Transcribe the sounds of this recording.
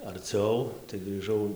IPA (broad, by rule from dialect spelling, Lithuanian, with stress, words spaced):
ɐrʲˈt͡sʲɛʊ tɐɪ ɡrʲiːˈʒɐʊ